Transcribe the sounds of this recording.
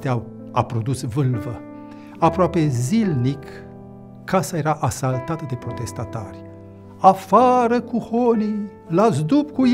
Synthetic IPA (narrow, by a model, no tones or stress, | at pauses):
t̪eaw | a̰pɾo̞d̪usvɨlvə | apɾoape̞zilnikː | asaje̞ɾaʔasalt̪at̪əd̪e̞pɾo̞t̪e̞st̪at̪arʲ | afaɾəkuhoni | lazd̪upkuj